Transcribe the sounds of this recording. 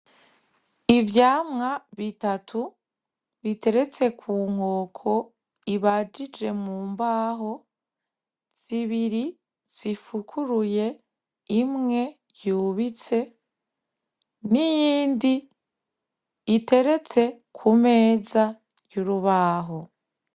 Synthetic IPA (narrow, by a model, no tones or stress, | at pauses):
ivjaːmŋaβitatʰu | βite̞ɾe̞t͡se̞kʰuːŋ̥o̞ːkʰo̞ | iβad͡ʒid͡ʒe̞muːmbaːɦo̞ | z̥iβiɾi | z̥ifukʰuɾuje̞ | imŋe̞ | juːβit͡se̞ | nijiːndi | ite̞ɾe̞t͡se̞kʰume̞ːza | juɾuβaːɦo